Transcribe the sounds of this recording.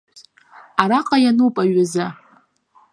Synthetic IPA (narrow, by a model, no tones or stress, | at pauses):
aɾaqʼajanuwpʼaɥaza